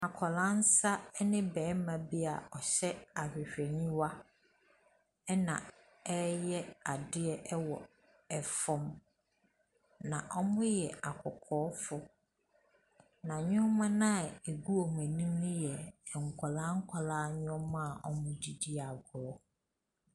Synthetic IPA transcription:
a˨kʰɔ˨lã˦n˦sa˦nɪ̃˦bɛː˨˦mã˨bi˦a˨ɔ˨ɕɛ˦a˨hᶣɪ˨ɕᶣɛ˨ɲĩ˦wa˦ | ɛ˦nã̰˨ | ɛ˦jɛ˦a˨dɪ˦ɛ˦ʔɛ˦wɔ˨ | ɛ˨fɔ̃˦m | nã˨ʔɔ˦mʊ̃˦jɛ˨a˨kʰɔ˨kʰɔː˨˦fʊ˦ | nã˨ɲʊ̃˦ɔ˦mã˦nã˦˨e˨ɡu˦o˨m˨æ̃˨nĩ˦mʊ̃˦jɛ˨ŋ̩˨kʰɔ˨lã˦ŋ̩˦kʷʰa˨laː˦ɲʊ̃˦ɔ˦mã˦a˨ʔɔ˦mʊ̃˦di˨di˦a˨ɡʊ˨ɾɔ˦

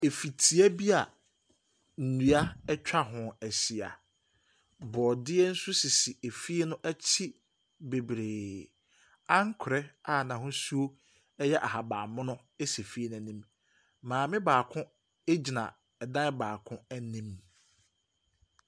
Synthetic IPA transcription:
e˨fi˨tʰi˨æ˦bi˦a˨ | n̩˨nũ˨a˦ɛ˦t͡ɕᶣa˦ɦʊ̃˨æ˨si˨a̰˨ | bɔː˨dɪ˦ɛ˦n̩˦sʊ˦si˨si˨e˨fi˦e˦nʊ̃˦ʔæ˦t͡ɕʰi˦ | be˨bɾeː˨ | ã˦ŋ˦kʰʊ˨ɾɛ˦a˦˨nã˨ɦʊ̃˦su˦o˦ | ɛ˦jɛ˦ʔa̰˨ɦa˨baː˨mʊ̃˦nʊ̃˦ | e˦se˨fi˦e˦ñ˦˨nĩ˦m | mãː˨mɪ̃˦baː˨kʰʊ̃˦ | e˦d͡ʑi˨nã̰˨ | ɛ˨dã˦baː˨kʰʊ̃˦æ˦nĩ˦m

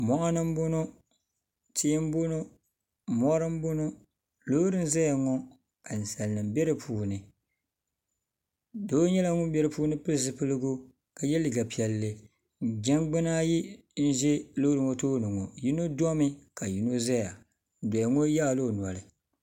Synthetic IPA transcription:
mɔ˨ʔa˦nɨ˦m˦bʊ˦no˦ | ti˦m˦bo˦no˦˨ | mɔ˦ɾɨ˦m˦bo˦no˦ | lo˦ɾɨ˦n˦za˦ja˨ŋɔ˦ | ka˨n̩˨sa˨lnɨ˨mbɛ˦ɾɨ˨pʰuː˨nɨ˨ | do˦ɲɛ˦la˦ŋʊ˦m˦bɛ˦ɾɨ˨puː˦nɨ˦pɨ˦ɾzɨ˦pɨ˦lɨ˦ɡʊ˦ | ka˨jɛ˦lɨ˨ɡa˨pi˨ɛ˨lːɨ˦˨ | ɡɛ˦nɡ͡bɨ˦na˦ji˦ | n̩˦ʒɛ˦lo˦ɾɨ˨ŋo˦toː˦nɨ˨ŋo˨ji˦no˦dɔ˦mɨ˦ka˨ji˨no˦za˦ja˨ | n˨dɔ˨ja˨ŋo˦ja˦˨lo˦˨n˨a˨lɨ˨

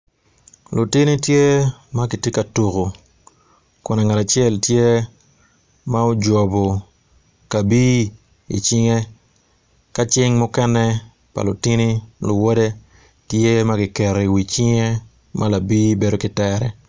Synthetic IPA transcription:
lu˨ti˦ni˦tje˦ma˦ki˨ti˦ka˨tu˨ɣo˨ | kʊ˨na˨ŋa˨ta˨t͡ʃjɛ˦ltje˦ | ma˦o˦d͡ʒɔ˨bo˨ | ka˨bi˦ | ḭ˨t͡ʃɪ˦ŋe˦ | ka˦t͡ʃɪ˦ŋmʊ˦kɛ˦nɛ˦ | pa̰˨lʊ˨ti˦ni˦lʊ˨wo˦de˦ | tje˦ma˦ɡɪ˨kɛ˨ɾe˨i˨wi˨t͡ʃɪ˦ŋe˦ | mala˨biː˦be˦do˦kɪ˦tɛɾɛ˨

